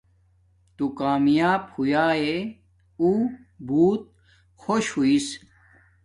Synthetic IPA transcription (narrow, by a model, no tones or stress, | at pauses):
t̪ukaːmjaːbhujaːe | uː | buːt̪̚ | xoɕhuis